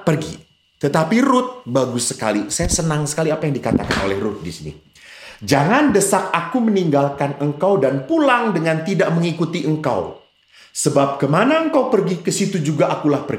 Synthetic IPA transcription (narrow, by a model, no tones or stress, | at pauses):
pərɡḭ | t̪ət̪apiɾʊt̪̚baɡʊsːəka̰lisajasənaŋsə̥kaliapajaŋdikat̪a̰ka̰no̰lɛhrʊt̪̚disinḭ | d͡ʒaŋandəsak̚akuməniŋɡalkanəŋkawdanpulaŋdəŋant̪idaʔməŋikut̪iʔəŋka̰w | səbap̚kəmanaəŋkawpərɡikəsit̪ud͡ʒuɡaʔakulahpərɡi